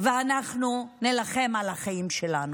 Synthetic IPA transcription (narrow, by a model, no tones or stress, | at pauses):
veanaχnunelaχe̞malhaχaimʃelanu